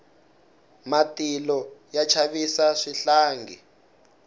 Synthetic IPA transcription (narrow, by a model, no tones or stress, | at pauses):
matilɔjat͡ʃʰaβisaʂiɬaːŋɡḭ